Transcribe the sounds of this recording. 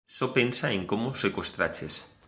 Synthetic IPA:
sopensaeŋkomosekwest̪ɾa̰t͡ʃes

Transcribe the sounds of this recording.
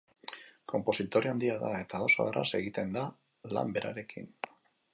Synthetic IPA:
kʰo̞mpo̞sit̪o̞ɾiand̪iaðae̞t̪ao̞so̞a̰ra̰se̞ɣit̪e̞nd̪a | la̰mbe̞ɾa̰ɾe̞kḭn

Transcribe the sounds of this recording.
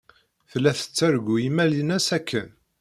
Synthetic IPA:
θəlːæθə̥t͡sːæɾɡʷujimælinæsækʰːən

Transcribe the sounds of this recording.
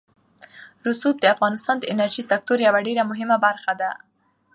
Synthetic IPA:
ɾʊsub̚d̪əafɣɑnɪst̪ɑnd̪əɪnaɾʒisak̚t̪oɾjawaɖeɾamʊɦɪmabaɾxad̪a

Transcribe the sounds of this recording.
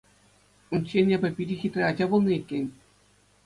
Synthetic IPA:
unʲt͡ɕenʲebʲɘ̆pʲiɾʲixʲit̪ʲrʲead͡ʑɑbulˠnɤekʲːenʲ

